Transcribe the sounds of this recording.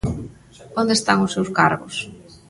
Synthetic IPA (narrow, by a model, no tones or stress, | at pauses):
ond̪est̪aŋʊsːewskaɾɣʊs